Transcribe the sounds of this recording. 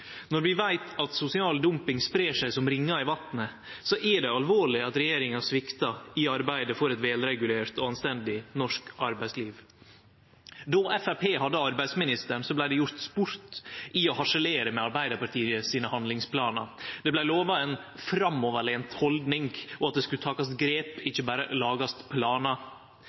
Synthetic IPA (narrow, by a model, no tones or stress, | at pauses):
nɔɾʋɪʋæɪt̪ɑt̪sʊsɪɑːld̪ʊmpɪŋspɾeːʂæɪsɔmɾɪŋːɑɪʋɑt̪nə | sɔʔɛɖɛɑlʋoːɭɪɑt̪ɾɛjeːɾɪŋɑsʋɪkt̪ɑɪɑɾbæɪd̪əfɔɾɛt̪ʋɛːlɾɛɡʉleːɾt̪ɔɑnst̪ɛnd̪ɪnɔʂkɑɾbæɪsliːʋ | d̪ɔʔɛfæpʰeːɦɑd̪ːəɑɾbæɪsmɪnɪst̪əɳsɔblæɪd̪ɛjʊɾt̪spʊɾt̪ʔɪɔhɑʂəleːɾəmɛɑɾbæɪd̪əpɑɾʈ̪ʰiːəsiːnəhɑnd̪lɪŋspʰlɑːnɑd̪ɛblæɪloːʋɑɛnfɾɑmːɔʋəɭeːnt̪hɔld̪nɪŋɔɑt̪̚d̪ɛskʉt̪ʰɑːkɑsɡɾeːpɪçːəbæːɾə̰lɑːɡɑst̪pʰlɑːnɑ